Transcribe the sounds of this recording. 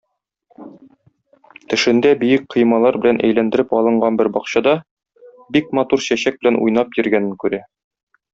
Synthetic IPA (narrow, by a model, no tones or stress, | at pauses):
t̪ɘ̆ʃɘ̆nd̪æbijɘk̚qʰɤ̆jmɑlˠɑɾbɘ̆lænʔæ̰jlænd̪ɘ̆ɾɘpɒlˠɤ̆ɴɢɑnbɘɾbɒqɕɑd̪ɑ | bik̚mɑt̪uɾɕæɕæk̚bɘ̆lænʔṵjn̪ɑpjɵ̆ɾɡænɘŋkʉɾæ